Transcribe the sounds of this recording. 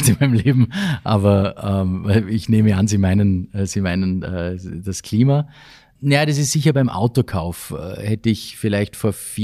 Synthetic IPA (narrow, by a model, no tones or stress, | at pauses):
tɪnmaɪnəmleːbm̩ʔaːbɐʔɛːmvaɪlɪçneːməanziːmaɪnənɛːz̥iːmaɪnənɛːd̥askʰl̥iːma | najad̥as̬ɪstz̥ɪçɐbaɪmʔa̰ʊtokʰaʊfɛ̰hɛtəɪçfɪlaɪçtfoːɐfː